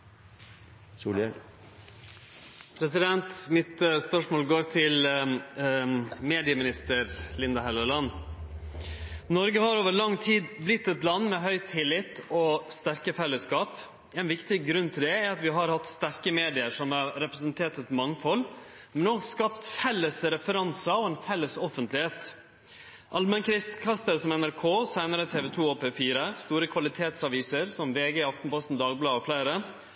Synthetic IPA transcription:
suːl | pʰɾɛsɪd̪ɛnt̪mɪt̪spœʂmoːlɡoːɾt̪ʰɪl | meːd̪ɪəmɪnɪst̪əɾlɪnd̪ɑhɛlːəlɑn | nɔɾɡəhɑɾoːʋəɾɭɑŋːt̪ʰiːd̪blɪt̪ːɛt̪lɑnːmɛɦœʏt̪ʰːɪlːɪt̪ɔst̪æɾkəfɛlːəskɑːp | ɛnʋɪkt̪ɪɡɾʉnːt̪ʰɪld̪ɛɛɾɑt̪ʋɪɦɑɾhɑt̪st̪æɾkəmeːd̪ɪəɾʂɔmɑɾɾɛpɾɛsənt̪ʰeːʈ̪ɛt̪mɑŋːfɔl | mɛnɔkskɑpt̪fɛlːəsɾɛfəɾɑnsɑɔɛnfɛlːəsɔfənt̪lɪheːt̪ | ʔɑlmənkʰɾɪst̪kʰɑst̪əɾsɔmɛnæɾkʰoːsæɪnəɾət̪ʰeːʋɛt̪ʰuːoːpʰeːfiːɾəst̪uːɾəkʰʋɑlɪt̪ʰeːt̪sɑʋiːsəɾsɔmʋeːɡəɪɑft̪npɔst̪n̩d̪ɑːɡ̚blɑːɔflæɪɾə

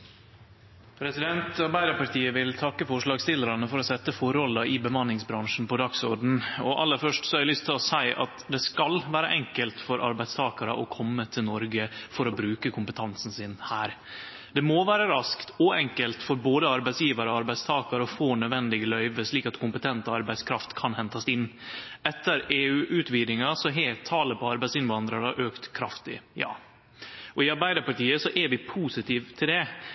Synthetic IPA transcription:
pʰɾɛsɪd̪ɛnt̪ɑɾbæɪɾɑpɑɾʈ̪ʰiːəʋɪlt̪ʰɑkːəfɔʂɭɑːɡst̪ɪlːəɾɑnəfɔɾɔsɛt̪ːəfɔɾɔlɑʔɪbəmɑnːɪŋsbɾɑŋʂn̩pɔd̪ɑksɔɖn̩ɔʔɑlːəɾfœʂʈsɔɛlʏst̪ʰːɪlɔsæɪʔɑ̰t̪d̪ɛskɑlʋæːɾə̰ʔɛŋkəlt̪fɔɾʔɑ̰ɾbæɪd̪st̪ʰɑːkɑɾə̰ʔɔkʰɔmːət̪ʰɪlnɔɾɡəfɔɾɔbɾʉːkəkʰʊmpət̪ʰɑnsn̩sɪnhæːɾ | d̪̥ɛmoɔʋæːɾəɾɑskt̪ɔɛŋkəlt̪fɔɾboːd̪əɑɾbæɪsjiːʋɑɾəɔɑɾbæɪst̪ʰɑːkɑɾəɔfoːnœd̪ʋɛnd̪ɪɡəlœʏʋəʂɭiːkɑt̪kʰʊmpət̪ʰɛnt̪əɑɾbæɪskʰɾɑft̪kʰɑnhɛnt̪ɑsɪnːɛt̪ːəɾeːʉːʔʉːt̪ʋiːd̪ɪŋɑsɔɦeːt̪ʰːɑːləpʰɔɑɾbæɪsɪnʋɑnd̪ɾɑɾəʔøːkt̪kʰɾɑft̪ɪ̰jɑ̰ː | ʔɔɪɑɾbæɪd̪əɾpɑʈiːəsɔʔɛɾʋɪpʰuːsɪt̪ʰiːʋt̪ʰɪld̪ɛ

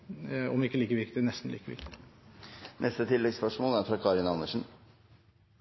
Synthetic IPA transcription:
ɔ̰mɪkːəliːkəʋɪkt̪ɪnɛst̪n̩liːkəʋɪ̰ɾk̚t̪ɪɪ | nʔɛst̪ət̪ʰɪlːɛɡspœʂmoːlæɾfɾɑkʰɑɾɪnɑnːəʂn̩

